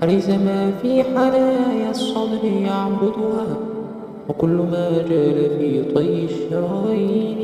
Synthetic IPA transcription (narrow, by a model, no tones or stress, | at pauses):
ʔaɾajzamaːfiːħalaːjasˤɑd̪ɾɪjaʕbʊd̪ʊhaː | wɪkʊlːʊmaːd͡ʒaːlafiːt̪ˤɑjːɪʃːɑɾɑːʔiːn